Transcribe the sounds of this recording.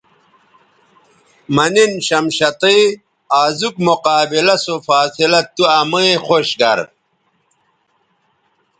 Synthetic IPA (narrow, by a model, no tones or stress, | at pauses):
mɐninɕɐmɕɐt̪iː | aːzukmoqaːbilɐsofaːsilɐt̪uɐmɐexoɕɡɐɾ